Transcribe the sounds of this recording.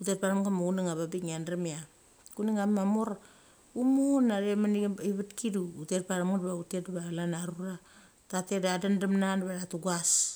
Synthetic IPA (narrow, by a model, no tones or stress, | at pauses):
utet̚paɾamɡamuɡuniŋaβabiŋanɾamia | kuniŋamamoɾ | umonaɾemaniiβatkiduːtet̚paɾamɡatbautetbalanaɾuɾa | tatedadandamnanβaɾatuɡas